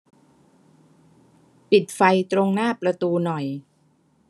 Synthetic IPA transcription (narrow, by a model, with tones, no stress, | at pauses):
pi˨˩t̪̚fa˧jt̪ɾo˧ŋnaː˥˩pɾa˧t̪uː˧nɔ˨˩j